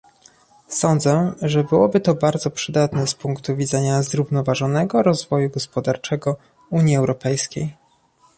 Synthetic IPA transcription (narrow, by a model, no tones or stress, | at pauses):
sɔnd̪zɛʐɛbɘwɔbɘt̪ɔbaɾd̪zɔpʂɘd̪at̪nɛspuŋkt̪uvʲid̪zɛɲazɾuvnɔvaʐɔnɛɡɔɾɔzvɔjuɡɔspɔd̪aɾt͡ʂɛɡɔ | uɲjiɛwɾɔpɛjskʲej